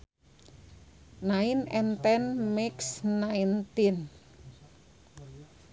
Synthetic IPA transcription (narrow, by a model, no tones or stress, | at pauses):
naɪnɛnt̪ɛnmɪksnaint̪in